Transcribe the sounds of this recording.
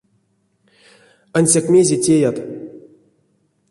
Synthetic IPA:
anʲsʲakmʲezʲetʲejat̪

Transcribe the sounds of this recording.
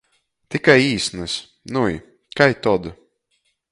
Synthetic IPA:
t̪ikajiːsnɨs | nuji | kajt̪ɔd̪u

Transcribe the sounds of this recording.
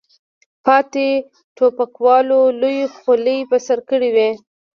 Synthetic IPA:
pɑt̪e | t̪opakwɑlolojxoləjpəsaɾkəɽiwe

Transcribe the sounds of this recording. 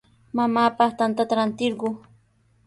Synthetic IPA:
mamaːpɑχt̪ant̪at̪aɾant̪ɪɾɢʊ

